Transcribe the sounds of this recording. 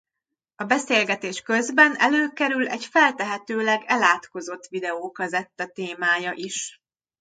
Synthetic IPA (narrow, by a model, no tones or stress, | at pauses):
ɒbɛseːlɡɛt̪eːʃkø̞zbɛnɛ̰løːkɛɾylɛɟfɛlt̪ɛɦɛt̪øːlɛɡɛlaːt̪ko̞zo̞t̪ːʋid̪ɛoːkɒzɛt̪ːɛt̪eːmaːjɒʔiʃ